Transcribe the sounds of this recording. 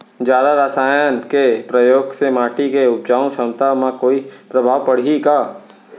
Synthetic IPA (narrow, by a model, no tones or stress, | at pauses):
d͡ʒjaːd̪aɾasaːjənkepɾəjoːɡsemaːʈikeʊt͡ʃaːõʃɐmt̪amãkoːipɾɐbʱaːʋpɐɽ̤ikaː